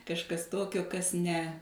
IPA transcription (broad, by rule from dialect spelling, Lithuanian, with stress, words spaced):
kɐʃˈkɐs ˈtoːkʲoː ˈkɐs nʲɛ